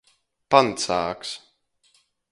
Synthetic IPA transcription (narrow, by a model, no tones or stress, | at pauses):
pant̪saːks